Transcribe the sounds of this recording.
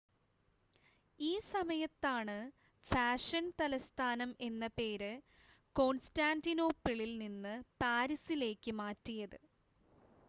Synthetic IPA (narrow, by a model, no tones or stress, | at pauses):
iːsɐmɐjɐt̪ːaːɳɨ | faːʂɐnt̪ɐlɐst̪ʰaːnɐme̞nːɐpe̞ːɾɨ | ko̞ːnstaːndinoːpːiɭilninːɨpaːɾisile̞ːkːɨmaːtːijɐðɨ